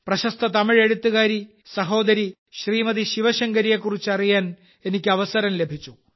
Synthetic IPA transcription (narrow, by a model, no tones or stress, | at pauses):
prɐɕɐst̪ʰɐt̪ɐmiɻe̞ɻut̪ːuɣaːɾi | sɐɦo̞ːd̪ɐɾi | ɕriːmɐðiɕiʋɐɕɐŋɡɐɾijekːurit͡ɕːɐrijaːn | e̞nikʲːɨɐʋɐsɐɾɐmle̞bʱit͡ɕːu